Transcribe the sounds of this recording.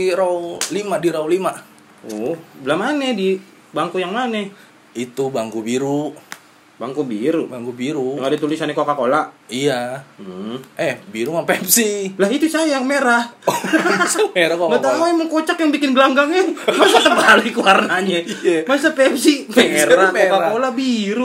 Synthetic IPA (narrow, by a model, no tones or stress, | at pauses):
iɾaulimadiɾaulima | ɔhblamanɛdi | baŋkujaŋmanɛ | it̪ubaŋkubiɾu | baŋkubiɾubaŋkubiɾujaŋadat̪ulisanɛkokakolaʔija | ʔɛhbiɾumapɛp̚silaɦit̪usajameɾah | meɾakɡat̪aaɛmaŋkot͡ʃakjaŋbikɪnɡəlaŋɡaŋɛmasat̪əbalikuwarnaɲɛmas̬apɛp̚simeɾakokakolabiɾu